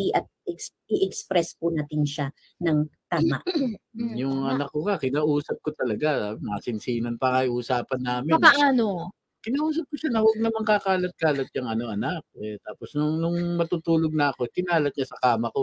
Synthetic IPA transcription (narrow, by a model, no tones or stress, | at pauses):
iʔɐt̪̚ɛks | ɪʔɛkspɾɛspʊnaːt̪ɪnʃa | nɐŋt̪aːmaʔjʊŋɐnɐkːokakɪnaːʔuːsɐp̚kot̪ɐlɐɡaabnɐsɪnsiːnɐnpɐŋɐiʔuːsaːpɐnːaːmɪnaano | kɪnaːʔuːs̬ɐp̚koʃanɐwɐɡ̚nɐmɐŋkakaːlɐt̪̚kaːlɐt̪̚jɐŋʔɐno̞ʔɐnak̚ɛt̪aːpo̞snʊŋnʊŋmɐt̪uːt̪uːloɡ̚nɐʔɐko̞kɪnaːlɐt̪̚ɲasɐkaːmɐko̞